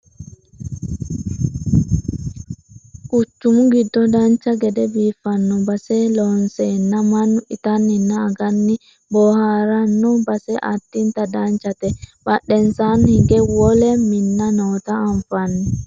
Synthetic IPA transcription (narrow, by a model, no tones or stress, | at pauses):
kʼʊt͡ʃːʊmʊɡɪd̪ːɔd̪ɐnt͡ʃːɐɡɛd̪ɛbiːfːɐnːɔbɐsɛloːnsɛnːɐmɐnɪt̪ɐnɪnːɐːɡɐnːɪ | bɔːhaːɾɐnːɔbɐsɛʔɐt̪ːɪnt̪ɐd̪ant͡ʃːɐt̪ɛbɐɗːɛnsaːnhɪɡɛwɔlɛmɪnːɐnoːt̪ɐːɱfɐnːɛ